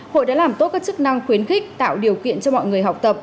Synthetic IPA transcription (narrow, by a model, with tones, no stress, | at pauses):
ho̰˧˨jɗa̰ː˧˥laː˨˩mt̪o˦˥t̚kaː˦˥k̚t͡ɕɨ˦˥k̚na˧ŋxwi˨˦ənxï˦˥k̚t̪a̰ː˧˨wɗi˨˩əwkḭ˧˨ənt͡ɕɔ˧mɔ̰˧˨jŋɨ˨˩əjɦa˨˩wk͡p̚t̪ə˨˩p̚